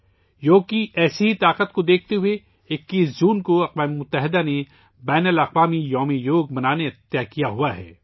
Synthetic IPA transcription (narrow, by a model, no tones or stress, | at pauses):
joːɡ̚kiʔɛːseɦit̪aːqət̪̚kod̪eːk̚ʰt̪eɦʊe | ɪkːiːszuːnkoɐqʋaːmemʊt̪ːəɦɪd̪ane | bɛːnəlɐqʋaːmijɔːmijoːɡ̚bɐnaːnet̪jakijaɦuaɦɛ̰ː